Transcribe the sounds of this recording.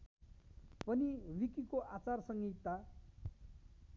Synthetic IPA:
pʌnirikikoʔat͡sarsʌŋɡit̪ːa

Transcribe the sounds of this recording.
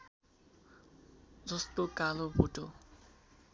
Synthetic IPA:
d͡zʌst̪okalobʱoʈo

